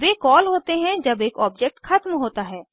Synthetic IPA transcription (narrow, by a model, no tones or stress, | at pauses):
beːkɔːlɦoːt̪eɦɛ̃d͡ʒɐbeːkɔːb̚d͡ʒɛk̚ʈxɐt̪mɦoːt̪aɦɛː